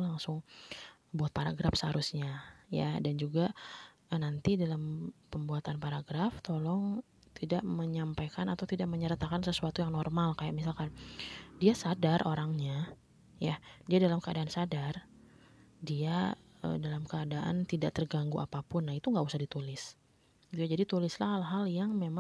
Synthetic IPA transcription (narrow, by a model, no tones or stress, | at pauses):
laŋsʊŋ | buat̪̚paɾaɡɾafsəhaɾusɲaja̰dand͡ʒuɡa | nant̪idalampəmbuat̪anpaɾaɡɾaft̪olɔŋ | t̪idaʔməɲampajkanat̪awt̪idaʔməɲəɾt̪akansəsuat̪ujaŋnɔrmalkajaʔmisalkandiasadarʔoɾaŋɲa | jadiadalamkəadaːnsadar | dia | ə̰dalamkəadaʔa̰nt̪idaʔt̪ərɡaŋɡuʔapapʊnːahit̪uŋɡausahdit̪ulɪs | it̪ujad͡ʒadit̪ulɪslahalɦaljaŋmema